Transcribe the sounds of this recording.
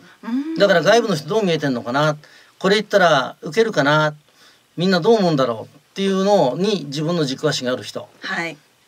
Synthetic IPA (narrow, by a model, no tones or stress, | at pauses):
d̪akaɾaɡaibɯ̟no̞ç̬it̪o̞ːmʲie̞t̪ẽ̞nokanat̪ | ko̞ɾe̞it̪ːaɾaɯ̟k̬e̞ɾɯ̟kanat | mʲĩnːad̪o̞ːmõːnd̪aɾo̞̰ːt̪ːe̞jɯ̟no̞ːɲ̟id͡ʑibɯ̃nːo̞ʑikɯβaɕiɡaːɾɯ̟çi̥t̪o̞̰hai